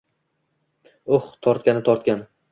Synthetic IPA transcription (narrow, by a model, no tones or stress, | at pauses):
oχt̪ʰɒɾt̪̚kʲanɪt̪ʰɒɾt̪kʲan